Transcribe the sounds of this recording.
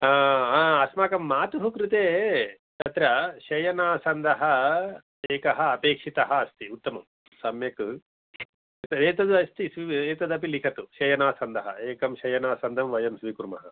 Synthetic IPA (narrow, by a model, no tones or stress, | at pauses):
aːaːɐsmaːkɐmːaːt̪uɦukɾut̪eː | t̪ɐt̪ɾɐʃɐjɐnaːsɐnd̪ɐɦɐ | eːkɐɦɐːpeːkʂit̪ɐɦɐːst̪iut̪ːɐmɐm | sɐmjɐkɨ | eːt̪ɐd̪ɐst̪isʋieːt̪ɐd̪ɐpilikʰɐt̪uʃɐjɐnaːsɐnd̪ʱɐɦɐ̰eːkɐmʃɐjɐnaːsɐnd̪ʱɐmʋɐjɐmsʋikuɾmɐ̰ɦɐ